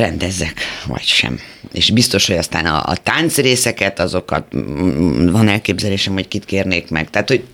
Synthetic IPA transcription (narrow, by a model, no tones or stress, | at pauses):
rɛnd̪ɛzːɛkvɒ̰cʃɛ̰mḛːʃbist̪o̞ʃho̞ɟɒst̪a̰ːnɒ̰ːt̪ant̪sreːsɛkɛt̪ɒzo̞kɒ̰t̪ | vɒnɛlkeːbzɛleːʃɛmhockit̪keːrneːkmɛ̰ɡt̪aːt̪ho̞ɟ